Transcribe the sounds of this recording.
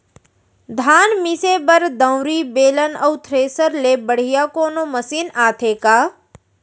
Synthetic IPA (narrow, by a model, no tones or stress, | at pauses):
d̪ʱaːnmɪsebəɾd̪ə̃w̃ɾibeːlənɐwt̪ʰɾeːsəɾlebəɽ̤ijakoːnoməsiːnaːt̪ʰeːkaː